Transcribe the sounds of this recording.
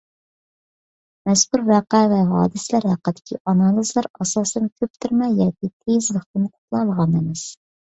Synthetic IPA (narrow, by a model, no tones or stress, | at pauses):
mɛskʲuɾvæːqævɛɦɑ̰ːd̪ɪslæɾhæqːəd̪ɪ̥kʲʰḭʔɑnɑːlˠizlˠæɾɑsɑsɨnɪkʲʰøp̚t̪ʰyɾmɛjɑːkʲit̪ʰezləqt̪ɪnqʰʊ̥t̪lˠɑlˠəʁɑnemɪz̥